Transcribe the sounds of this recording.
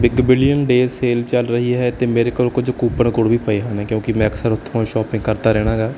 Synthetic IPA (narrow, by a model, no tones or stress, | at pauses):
bɪɡbɪlijənɖeːseːlt͡ʃəlɾəɦiɦɛːt̪eːmeːɾeːkəɾokʊd͡ʒkuːpəɳkʊɽbʱiːpəeɦãːnɛkjõːkɪmɛ̃ːəksəɾʊt̪ʰːõːʃɔːpɪ̃ŋɡkəɾt̪aːɾɛːɽ̃aːɡaː